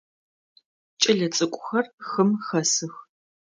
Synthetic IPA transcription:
t͡ʃʼɪɮɐt͡sʼɨkʷʼʊxɐrxɨmxɐsɨx

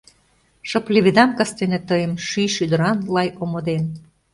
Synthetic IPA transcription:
ʃɤ̆pleβid̪ɑmkɑst̪enĕt̪əjəmʃyʃyd̪ə̆ɾɑnlɑjomod̪en

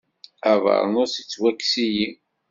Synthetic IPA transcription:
ævə̰ɾˤnʊɾsit͡sːwækːsiji

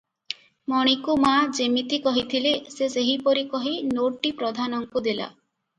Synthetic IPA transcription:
mɔɽ̃ikumad͡ʒemit̪ikɔɦit̪ʰileseseɦipoɾikɔɦinoʈʈːipɾod̪ʱanɔŋkud̪ela̰

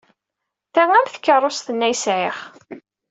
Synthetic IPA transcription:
θæŋæmθə̥kːərˤːosθənːæjsʕɪχ

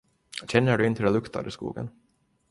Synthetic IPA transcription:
ɕɛnːəɖɵɪnt̪əd̪ɛlɵkt̪ʰa̰d̪əskṵːɡə̰n

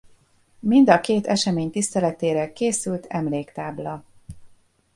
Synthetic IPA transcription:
mind̪ɒkeːt̪ɛʃɛmeːɲt̪ist̪ɛlɛt̪eːɾɛkeːsylt̪ʰɛmleːkt̪aːblɒ

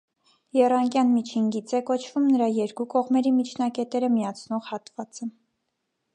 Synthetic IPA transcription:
jɛrɑŋkjɑnmit͡ʃʰinɡit͡sɛkɔt͡ʃʰvumnəɾɑjɛɾkukɔʁmɛɾimit͡ʃʰn̪ɑkɛt̪ɛɾəmijɑt͡sʰnɔʁhɑt̪vɑt͡sə

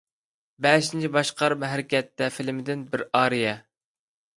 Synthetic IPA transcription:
bɛʃint͡ʃʰibɑʃqʰɑɾmɦæɾɪkʲɛt̪ːɛfɪlmɪd̪ɪnbɪɾɑːɾijɛ

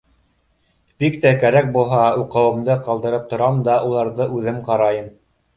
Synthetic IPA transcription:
b̥ikt̪ækæɾæk̚bulˠɦɑuqɤ̆wɤ̆md̪ɤqɑlˠd̪ɤ̆ɾɤp̚t̪ŏɾɑmnd̪ɑʔulˠɑɾðɤʔʉðɘmqɑɾɑjɤm

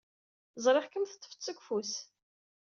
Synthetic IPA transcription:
zˤɾˤeχkəmθət̪ːə̥fə̥t͡sːəkʷfus

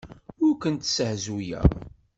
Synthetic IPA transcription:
ʊɾkənt̪səhzujæ̰

